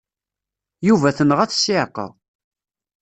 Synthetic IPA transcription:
juvæθənəʁæt͡sːsɪʕqːə̰ð

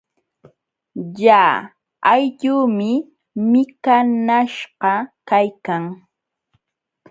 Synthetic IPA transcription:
jaː | ajʎuːmɪ | mɪkanaʃɢɑkajkaŋ

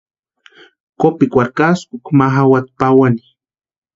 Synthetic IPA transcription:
kopikʷaɾkasukmaɦawat̪̚pawani

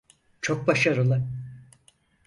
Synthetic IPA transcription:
t͡ʃʰo̞k̚baʃaɾɯlˠɯ

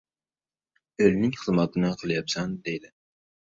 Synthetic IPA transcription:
ølnɪŋχəzmɑt̪ʰɨnɨqʰəlˠɨjɑpsɛnd̪ejd̪ɪ

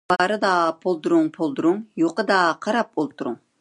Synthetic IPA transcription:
bɑɾɨd̪ɑpʰolˠd̪uɾuŋpʰolˠd̪uɾuŋjoqəd̪ɑqʰɑɾɑp̚bolˠt̪ʰuɾuŋ

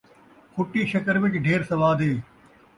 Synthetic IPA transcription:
kʰʊʈiːʃɐkəɾʋɪt͡ʃɖʱeːɾsɐʋaːd̪ʱɦeː

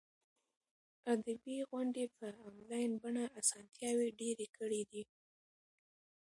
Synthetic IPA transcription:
ad̪abiɣwʊɳɖepəamlɑjnbaɳaʔasɑnt̪jɑweɖeɾekʰəɽid̪i

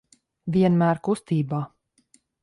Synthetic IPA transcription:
viɛnmæːɾkust̪iːbaː

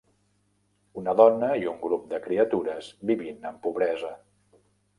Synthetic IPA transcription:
unəðɔnəiuŋɡɾup̚d̪əkɾiət̪uɾəzbiβinəmpuβɾɛzə

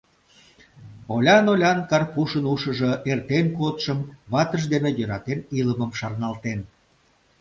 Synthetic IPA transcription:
olʲɑnolʲɑnkɑrpuʃənuʃə̆ʒoʔert̪enkot̪ʃəmβɑt̪əʃd̪enejøɾɑt̪eniləməmʃɑrnɑlt̪en

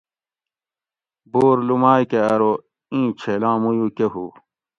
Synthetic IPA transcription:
boːɾlumaːjkeɐɾo | ĩːt͡ɕʰelãːmujukeɦṵː

